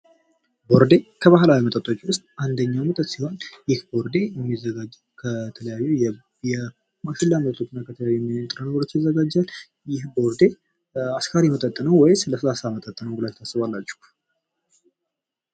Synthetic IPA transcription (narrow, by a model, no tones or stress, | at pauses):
bo̞ɾd̪e̞kʰəβaɦlawimət̪ʼət̪ʼːo̞t͡ʃʼːiwʊst̪ʼand̪əɲːawmət̪ʼət̪siho̞njɪhbo̞ɾd̪e̞jɛmːizːəɡad͡ʒː | kʰət̪ʰələjajːuj | jɛ | maʃɪlːamət̪ʼət̪ʼot͡ʃːɪnːakʰət̪ʰələjajujɛmːit̪ʼɨɾənəɡəɾo̞t͡ʃːjɪzːəɡad͡ʒːal | jɪhbo̞ɾd̪e̞ | askʰaɾjmət̪ʼət̪ʼːənəwwɔjsɨləsəlasamət̪ʼət̪ʼːənəwɡɨlajt̪ʰasːɨβalːat͡ʃːu̥